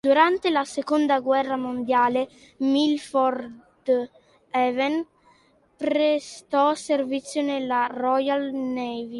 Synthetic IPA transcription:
d̪̥uɾant̪elasekond̪aɡwɛrːamond̪jaːle | milfɔrd̪ | ɛvɛn | pɾest̪ɔservit̪sːjonelːarɔjalnɛvi

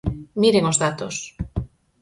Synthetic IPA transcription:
miɾeŋozðat̪os

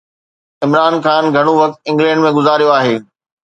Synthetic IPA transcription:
ɪmɾaːnxaːnɡʱɐɽ̃oʋɐk̚t̪ɪ̃ŋɡlɛ̃ːɳɖmẽɡʊzaːɾijoaːɦeː

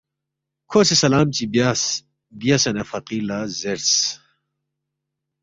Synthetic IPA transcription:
kʰoːsesɐlaːmt͡ɕibjas | bijɐsɐnɐfɐqiːlazeɾs

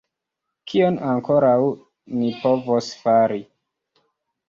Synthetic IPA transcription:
kʰionaŋko̞ɾaw | nipo̞vosfaɾi

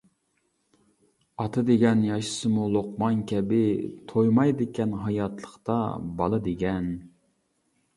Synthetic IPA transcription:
ɑt̪ʰɨd̪eɡʲɛnjɑʃɨ̥sɨmulˠoq̚mɑnkʲʰɛbɪt̪ʰojmɑjd̪ɪkʲɛnɦɑjɑt̪ʰlˠəχt̪ɑ̰bɑlˠɨd̪eɡʲɛn

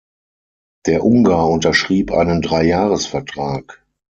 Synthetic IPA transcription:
d̥eːɐʔʊŋɡaɐʊntɐʃʁ̥iːpʔa̰ɪnəndʁaɪjaːʁəsfɛɐtʁ̥aːk

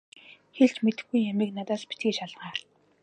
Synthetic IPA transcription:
xeɮt͡ɕmet̪ɘ̆xɡujːamiːknat̪aːspi̥t̪ɡiːʃaɮʁaːr

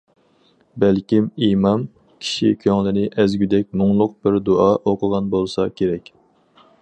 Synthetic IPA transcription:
bælkʲimimɑm | kʲʰi̥ʃikʲʰøŋlɪnɪʔæzɡʲyd̪ɛk̚ʲmʊŋlˠʊq̚bɪɾd̪oʔɑʔoqʰəʁɑnbolˠsɑkʲʰeɾɛkʲ

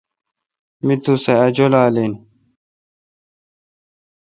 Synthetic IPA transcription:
mit̪useɐd͡ʑolaːlin

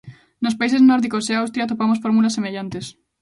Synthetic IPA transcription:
nospaiseznɔɾðikoseawst̪ɾjat̪opamosfoɾmulasːemeʎant̪es

